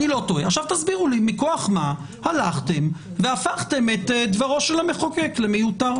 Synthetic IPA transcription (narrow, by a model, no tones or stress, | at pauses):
nilo̞t̪oeaχʃavt̪azbiʁulimikoaχma | halaχt̪e̞m | veafaχt̪e̞met̪d̪vaʁo̞ʃelame̞χoke̞klemejutaʁ